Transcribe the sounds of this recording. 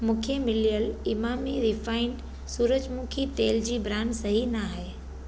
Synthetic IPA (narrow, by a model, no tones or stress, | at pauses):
mũːkʰemɪlijəlɪmaːmiɾɪfaːɪɳɖ | suːɾəd͡ʑmũːkʰit̪eːld͡ʑiːbɾaːnsɐɦinaɦeː